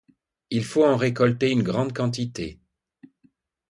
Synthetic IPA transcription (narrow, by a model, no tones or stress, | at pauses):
ilfoɑ̃ʁekɔlt̪eynɡʁɑ̃d̪kɑ̃t̪it̪ḛ